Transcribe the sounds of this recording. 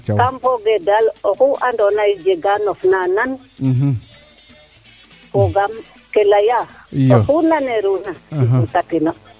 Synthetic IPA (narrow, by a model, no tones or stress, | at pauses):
kampoɡedalokuʔandonaid͡ʒeɡanofnanan | koɡam | kelajaoxunaneɾunautakino